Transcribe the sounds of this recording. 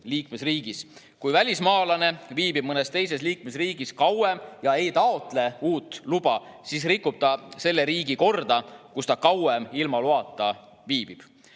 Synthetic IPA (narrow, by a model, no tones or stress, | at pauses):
liːkmesriːɡ̥is | kujvælʲismɑːlɑne̞viːbib̥̚mɤnest̪e̞jse̞sliːkmesriːɡ̥iskɑwemjɑe̞jt̪ɑo̞t̪ˑle̞uːt̪ːˑlubɑsis̬rikːˑub̥̚t̪ɑse̞lːe̞ɾiːɡiko̞rd̪̥ɑkust̪ɑkɑwemilmɑluɑt̪ːˑɑ | viːb̥ib̥